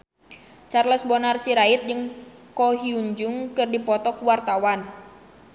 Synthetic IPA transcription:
t͡ʃarləsbɔnarsiɾait̪̚d͡ʒɨŋkɔɦiuɲd͡ʒuŋkɨrdipɔt̪ɔkuwart̪awan

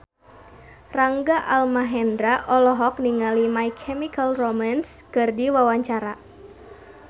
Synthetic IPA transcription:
raŋɡaʔalmaɦɛndɾaʔɔlɔɦɔk̚niŋalimajkʰɛmikalromanskɨrdiwawaɲt͡ʃaɾa

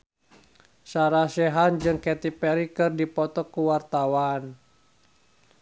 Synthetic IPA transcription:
saɾasɛɦand͡ʒɨŋkɛt̪ipɛɾikɨrdipɔt̪ɔkuwart̪awan

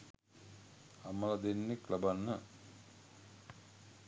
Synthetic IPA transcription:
aməlad̪enːeklabanːə

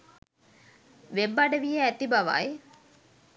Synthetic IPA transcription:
ʋebːaɖəʋijəæt̪ibaʋa̰j

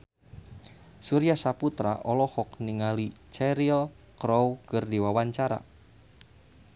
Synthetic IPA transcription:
suɾijasaput̪ɾa̰ʔɔlɔhɔk̚niŋalit͡ʃɛɾil | kɾɔwkərdiwawaɲt͡ʃaɾa̰

